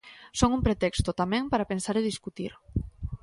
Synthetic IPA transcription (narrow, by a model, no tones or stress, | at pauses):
soŋumpɾet̪ɛkst̪ʊt̪amɛ̃ŋpaɾapensaɾeðiskut̪iɾ